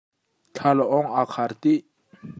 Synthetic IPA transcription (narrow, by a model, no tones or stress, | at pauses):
t͡ɬʰalaʔɔŋakʰaɾt̪i